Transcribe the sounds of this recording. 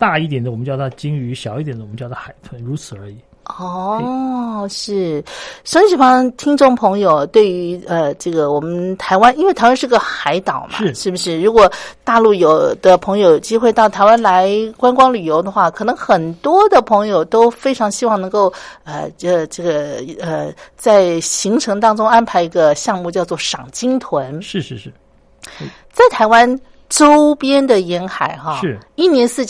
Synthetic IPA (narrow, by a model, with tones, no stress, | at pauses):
t̪a˥˧i˥˩t̪jɛ˨˩nd̪əwɔ˨˩ə˦t͡ɕjɑ˥˧ʊt̪t͡ɕi˥ŋy˧˥ɕjɑ˨˩ʊi˥˩t̪jɛ˨˩nd̪ə˧wm˦t͡ɕjɑ˥˧ʊɑ˥˩xa˨˩ɪt̪ʰə˧˥nɻu˧˥t͡sʰɹ̩˨˩ə˞˧˥i˨˩˦ | ɔ˥˩ | ʂɻ̩˥˩ʂə˥ŋʂɻ̩i˥˩fɑ˥t̪ʰi˥ŋʈ͡ʂʊ˥˩ŋpʰɤ˧˥ŋjo˨˩ʊt̪we˥˩ɪy˧˥ə˧ʈ͡ʂɤ˥˩ɡə˩wɔ˨˩mə˦ə˦nt̪ʰa˧˥ɪwa˥ni˥nwe˥˩t̪ʰa˧˥ɪwa˥ʂɻɡə˧˩xa˧˥ɪt̪ɑ˨˩˦ʊmʔʂa̰ɻʂɻ̩˥˩bu˩ʂɻ̩˥˩ɻu˧˥kwɔ˨˩t̪a˥˧lu˥˩jo˨˩ʊd̪̥ə˦pʰɤ˧˥ŋjo˧ʊjo˨˩ʊt͡ɕi˥xwe˥˧ɪt̪ɑ˥˩ʊt̪ʰa˧˥ɪwa˥nla˧˥ɪkwa˥nkwɑ˥ŋly˨˩jo˧˥ʊd̪ə˧xwa˥˩kʰɤ˨˩nɤ˧˥ŋxə˨˩nt̪wɔ˥d̪ə˨pʰɤ˧˥ŋjo˨˩ʊt̪o˥ʊfe˥ɪʈ͡ʂʰɑ˧˥ŋɕi˥wɑ˥˩ŋnɤ˧˥ŋko˥˩ʊə˧ə˩ʈ͡ʂɤ˥˩ɡə˩ə˧t͡sa˥˩ɪɕi˧˥ŋʈ͡ʂʰɤ˧˥ŋt̪ɑ˥ŋʈ͡ʂʊ˥ŋa˥npʰa˧˥ɪi˧˥ɡə˧ɕjɑ˥˧ŋmu˥˧t͡ɕjɑ˥˧ʊt͡swɔ˥˩ʂɑ˨˩ŋt͡ɕi˥ŋt̪ʰwə˧˥nʂ̩˥˩˥ | t͡sa˥˩ɪt̪ʰa˧˥ɪwa˥n | ʈ͡ʂo˥ʊpjɛ˥nd̪ə˨jɛ˧˥nxa˨˧˩ɪxɑ˥˧˥i˥˩njɛ˧˥nsɹ̩˥˩t͡ɕ